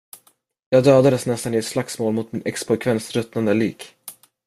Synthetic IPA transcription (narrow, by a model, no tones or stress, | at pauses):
jɑːɡd̪øːd̪ad̪əsnɛst̪anɪɛt̪slaksmoːlmʊt̪mɪnɛkspɔkʰvɛnsɾɵt̪nand̪əliːk